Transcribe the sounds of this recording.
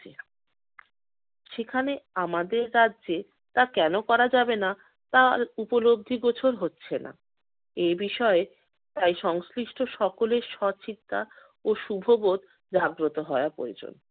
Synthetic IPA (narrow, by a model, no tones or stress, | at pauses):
e | ʃekʰaneamad̪eɾːadd͡ʑe | t̪akɛnokɔɾad͡ʑabena | t̪aɾupolob̚d̪ʱiɡot͡ɕʰoɾɦotːɕʰena̰ | ebiʃɔe | t̪ajʃɔŋsliʃʈʰoʃɔkoleɾʃɔt͡ɕit̪ːa | oʃubʱobot̪ | d͡ʑaɡɾot̪oɦɔeapɾo̰ed͡ʑo̰n